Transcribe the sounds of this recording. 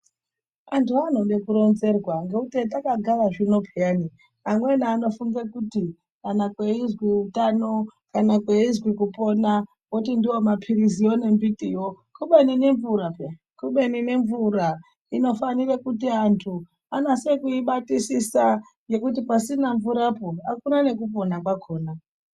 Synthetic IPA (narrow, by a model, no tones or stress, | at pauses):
antuano̞ɗe̞kuɾo̞nze̞rwaŋɡeutet̬akaɡʱaraʐino̞pʰejaːni | amwe̞naːno̞fuŋɡekuti | kanakwe̞izwiutano̞kanakweizwikupo̞ːna | wot̬indiwo̞mapʰirizio̞ne̞mbitijo̞ | kuɓenine̞ɱvuɾa | kuɓenine̞ɱvura | ino̞fanirekutiantʰu | anase̞kuiɓatisisa | je̞kut̬ipasinaɱvuɾapoakunane̞kup̬o̞nakwaɡʰʱo̞ːna